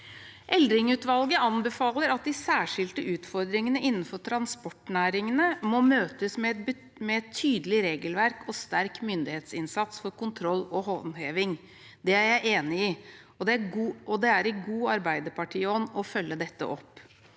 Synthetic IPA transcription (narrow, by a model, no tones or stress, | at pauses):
ʔɛld̪ɾɪŋʉːt̪ʋɑlɡəʔɑnbɛfɑːləɾɑt̪̚d̪ɪsæːʂɪlt̪əʔʉːt̪fɔɾd̪ɾɪŋənəʔɪnːn̩fɔʈʰɾɑnspɔʈnæːɾɪŋənəmɔmøːt̪əsmɛb | mɛɛt̪ʰːyːd̪əlɪɾeːɡəlʋæɾkʰɔst̪æɾkmʏnd̪ɪheːt̪sɪnsɑt̪sfɔɾkʊnt̪ʰɾɔlːɔhɔʋnheːʋɪŋ | d̪ɛæɾjæɪʔeːnɪɪ | ɔd̪ɛæɡuːɔd̪ɛæɾɪɡuːɑɾbæɪd̪əɾpɑʈʰiːɔnːɔfœlːəd̪ɛt̪ːə̰ʔɔpː